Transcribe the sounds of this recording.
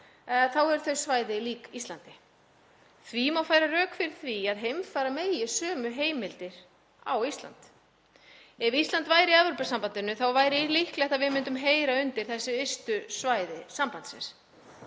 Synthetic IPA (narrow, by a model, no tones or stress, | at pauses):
θawɛɾ̥θœɥsvaːjðɪliːkist̪lant̪ɪ | θvimawfaːjɾarœːkfɪɾɪɾ̥θviaðɦejmfaːjɾameːjɪ̥sœːmʏɦeːjmɪlt̪ɪɾ̥ | a̰wist̪la̰nt̪ | ɛvist̪lant̪vaːjɾiaðvʏɾpɛ̥sampant̪ɪnːʏθawvaːjɾɪlɪhklɛht̪avɪðmʏnt̪ʏmɦeːjɾaʏnt̪ɪɾ̥θɛsːʏest̪ʏsvaːjðɪsampant̪svɛ̰s